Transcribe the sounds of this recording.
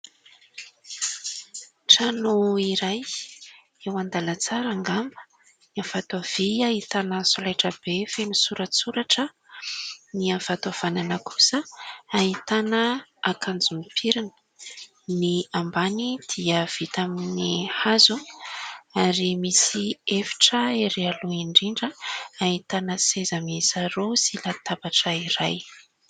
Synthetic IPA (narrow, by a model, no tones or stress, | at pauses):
ʈ͡ʂanuiɾaj | ewand̪alat͡saɾaŋɡambə̥ | niav̥at̪av̥iahit̪anəsolajʈ͡ʂəb̥efenusuɾəsuɾaʈ͡ʂə | niav̥at̪av̥ananəkʰu̥səaɦit̪anəakʰand͡zumipʰiɾinə̥ | niambanid̪̥iəv̥it̪aminihazu | aɾimisiefi̥ʈ͡ʂəeɾealuiɳɖ͡ʐiɳɖ͡ʐəaɦit̪anəsezəmiz̥aɾosilat̪abaʈ͡ʂəiɾaj